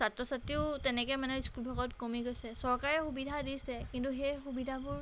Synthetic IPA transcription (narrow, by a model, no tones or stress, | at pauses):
satɹɔsatiʊtɛnɛkɔjmanɛiskulbʱɔɡɔtkomiɡojsɛsɔɹkaɹɛxubidʱadisɛkintuxɛjxubidʱabʊɹ